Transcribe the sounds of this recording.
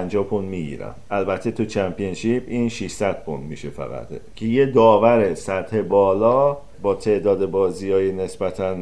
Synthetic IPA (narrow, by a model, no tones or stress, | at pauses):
nd͡ʒɒːpʰund̪miːɟḭːɾæ̰mʔælbæt̪ʰːet̪ʰut͡ʃʰæmpʰienʃipiːnʃiʃsæd̪̥̚pʰond̪miʃe̞fæ̰ɣæ̰t̪ʰcʰejed̪ɒːvæɾe̞sæt̪he̞bɒːlɒː | bɒːt̪ʰe̞ʔd̪ɒːd̪e̞bɒːziɒːjene̞sbæt̪ʰæn